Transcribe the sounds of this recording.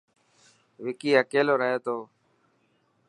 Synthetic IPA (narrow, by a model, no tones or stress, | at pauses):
ʋɪkiːəkeːloːɾəɦeːt̪oː